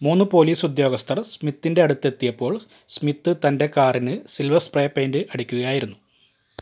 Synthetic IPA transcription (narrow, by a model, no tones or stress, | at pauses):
muːnːupo̞ːliːsud̪jo̞ːɡɐst̪ʰɐrsmit̪ːinde̞ɐɽut̪ːe̞t̪ːijɐpːo̞ːɭ | smit̪ːɨt̪ɐnde̞kaːrinɨsilʋɐsprejːpːeːndɨʔɐɽikʲːuɣɐjaːjiɾunːu